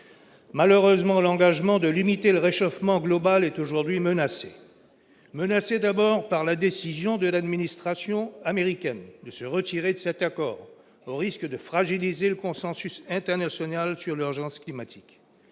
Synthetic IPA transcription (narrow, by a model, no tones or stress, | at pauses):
maløʁøzmɑ̃lɑ̃ɡaʒmɑ̃d̪əlimit̪eləʁeʃɔfmɑ̃ɡlɔbalɛt̪oʒuʁd̪ɥimənasḛ | mənased̪abɔʁpaʁlad̪esizjɔ̃d̪əlad̪minist̪χasjɔ̃ameʁikʲɛnd̪əsəʁət̪iʁed̪əsɛt̪akɔːʁ | oʁiskd̪əfχaʒilizeləkɔ̃sɑ̃sysɛ̃t̪ɛʁnasjɔnalsyʁlyʁʒɑ̃sklimat̪ʰi̥k